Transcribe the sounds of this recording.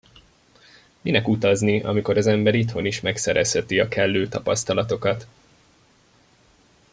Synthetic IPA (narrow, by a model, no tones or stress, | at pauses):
minɛkut̪ɒzniʔɒ̰miko̞ɾɒzɛmbɛɾit̪ho̞niʃmɛksɛɾɛshɛt̪iɒkɛlːøːt̪ɒpɒst̪ɒlɒt̪o̞kɒt̪